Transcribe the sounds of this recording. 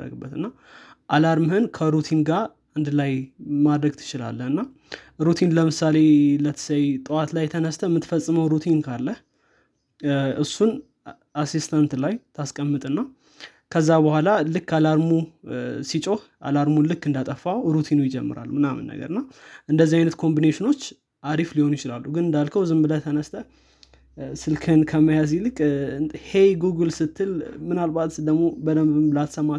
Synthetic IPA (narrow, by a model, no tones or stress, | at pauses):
rə̰ɡɨbːət̪ɨnːa | ʔalaɾmɨhɨnkʰəɾut̪ʰinɡa | and̪lajmad̪ɾəɡt̪ʰɨ̥t͡ʃɪla̰lːəhɨnːa | ɾut̪ʰinləmɨsale̞lət̪ʰə̥səjt̪ʼɨwat̪lajt̪ʰənəst̪ʰəmɨt̪fəsʼːɨməwɾut̪ʰinkʰalːəh | ʔɨsːun | asist̪ʰant̪lajt̪ʰaskʼəmːɨt̪ʼɨnːa | kʰəzːabəhʷalalɨkːalaɾmusit͡ʃʼo̞hʔa̰laɾmulɨkːɨnd̪at̪ʼəfːawɾut̪ʰinojɪd͡ʒɛmːɨ̰ɾa̰lːumɨnamɨ̰nːə̰ɡə̰ɾɨnːaʔɨnd̪əzːihajnət̪kʰo̞mbineʃɪno̞t͡ʃː | ʔaɾifliho̞njɪt͡ʃɪlalːuɡɨnɨnd̪alkʰəwzɨmblət̪ʰənəst̪ʰʼə | sɨlkʰənkʰəməjazilɨkʼhe̞jɡuɡɨlsɨt̪ʰːɨlmɨnalbat̪d̪əɡmo̞bəd̪əmbɨmlat̪səmːa